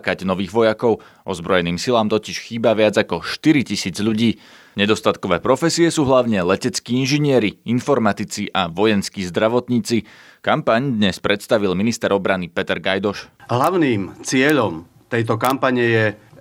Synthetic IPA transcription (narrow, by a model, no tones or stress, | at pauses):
kaɟnɔʋiːɣʋɔjakɔʊ | ʔɔzbɾɔjɛniːmsilaːmt̪ɔciʃxiːbaʋɪad͡zakɔʃt̪iɾicisiːd͡zʎuɟiː | ɲɛd̪ɔst̪at̪kɔʋɛːpɾɔfɛsiɛsuːɦlaʊɲɛlɛcɛt͡skiːinʒiɲɪɛɾiinfɔɾmat̪it͡siʔaʋɔjɛnskiːzd̪ɾaʋɔt̪ɲiːt͡si | kampaɲd̪ɲɛspɾɛt̪st̪aʋilminist̪ɛɾɔbɾanipɛt̪ɛɾɡajd̪ɔʃɦlaʊniːmt͡sɪɛʎɔm | t̪ɛjt̪ɔkampaɲɛjɛ